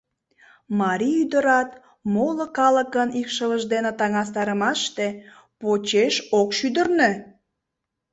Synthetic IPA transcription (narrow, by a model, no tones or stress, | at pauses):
mɑɾʲiyd̪əɾɑt̪ | molokɑləkənikʃələʒd̪enet̪ɑŋɑs̬t̪ɑɾəmɑʃt̪e | pot͡ɕeʃokʃyd̪ərne